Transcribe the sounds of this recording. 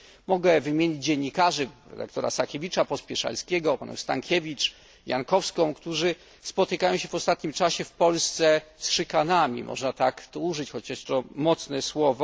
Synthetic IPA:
mɔɡɛvɘmʲjeɲid͡ʑd͡ʑeɲːikaʐɘɾɛ̰d̪a̰kt̪ɔɾa̰sakʲevʲit͡ʂapɔspʲɛʂa̰lskʲɛɡɔpanɛ̰̃st̪aŋkʲɛvʲit͡ʂ | ja̰nkɔfskɔ̃w̃kt̪uʐɘ | spɔt̪ɘkajɔ̃w̃ɕɛvɔst̪at̪ɲimt͡ʂaɕɛfpɔlst̪sɛsʂɨkanamʲḭmʔɔ̰ʐnat̪akt̪ɔuʐɘt͡ɕxɔt͡ɕaʂt̪ɔmɔt̪snɛswɔvɔ

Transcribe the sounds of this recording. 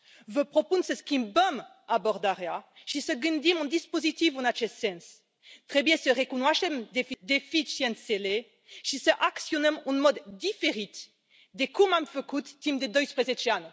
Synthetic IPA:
vəpχɔpunsəskimbəm | abɔʁd̪aʁjaʃisəɡynd̪imɔ̃nd̪ispozit̪ivũnat͡ʃɛsɛ̃ns | t̪χɛbjɛ̃səʁekunwaʃɛmd̪efid̪efiʃjɛ̃nsele | ʃisəʔaksjɔnɛmũnmɔd̪ːifeʁit̪ | d̪ekumamføkut̪ːimd̪ed̪ɔjspʁezet͡ʃiano

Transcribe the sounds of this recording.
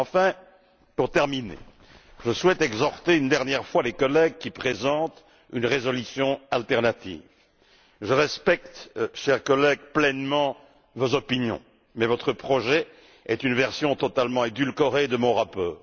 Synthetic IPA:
ɑ̃fɛ̃ | puʁt̪ɛʁminḛ | ʒəswɛt̪ɛɡzɔʁt̪eynd̪ɛʁnjɛʁfwalekɔlɛɡ̚kʲipχezɑ̃t̪ | ynʁezɔlysjɔ̃alt̪ɛʁnat̪ḭːv | ʒəʁɛspɛk̚t̪ʃɛʁkɔlɛɡplɛnmɑ̃ | vozɔpinjɔ̰̃ | mɛvɔt̪χəpχɔʒɛ | ɛt̪ynvɛʁsjɔ̃t̪ɔt̪almɑ̃ed̪ylkɔʁed̪əmɔ̃ʁapɔːʁ

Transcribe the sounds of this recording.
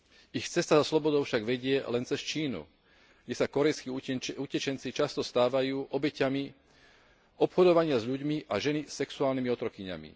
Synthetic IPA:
ixt͡sɛst̪azaslɔbɔd̪ɔʊfʃaɡʋɛɟɪɛlɛnt͡sɛst͡ʃiːnṵ | ɡdɟɛsakɔɾɛjskiucɛt͡ʃɛnt͡sit͡ʃast̪ɔst̪aːʋajuːʔɔbɛcami | ɔpxɔd̪ɔʋaɲɪazʎuɟmiʔaʒɛnisɛksuaːlnimiɔt̪ɾɔkiɲa̰mḭ

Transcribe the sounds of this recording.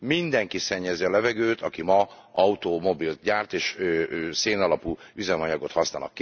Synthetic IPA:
mind̪ɛŋkisɛɲːɛziɒlɛvɛɡøːt̪ɒkimɒɒut̪omo̞bilt̪ɟaːrt̪eːʃøseːnɒlɒpuyzɛmɒɲɒɡot̪hɒsnaːlnɒ̰kː

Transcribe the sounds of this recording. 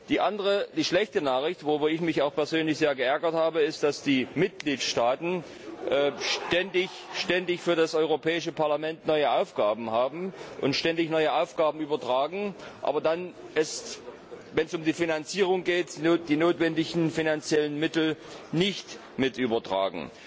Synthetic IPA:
d̥iːʔandəʁəd̥iːʃlɛçtənaːχɪçtv̥oʁybɐɪçmɪçaʊxpɛɐzøːnlɪçz̥eːɐɡəʔɛɐɡɐthaːbəɪstd̥asd̥iːmɪt̚ɡ̥liːtʃtaːtn̩ | ʔʃtɛndɪçʃtɛndɪçfyːɐɾasʔɔʏʁ̞opʰɛːɪʃəpaɐlamɛntnɔʏəʔaʊfɡ̥aːbm̩haːbm̩ʔʊ̰ntʃtɛndɪçnɔʏəʔaʊfɡ̥aːbm̩ʔyːbɐtʁ̥aːɡŋ̩ʔa̰ːbɐdanʔɛst | vɛnsʊmdiːfinant͡siːʁ̞ʊŋɡeːtːd̥iːnoːtv̥ɛndɪçn̩finant͡sjɛlənmɪtl̩nɪçt | mɪtʔyːbɐtʁ̥a̰ːɡŋ̩

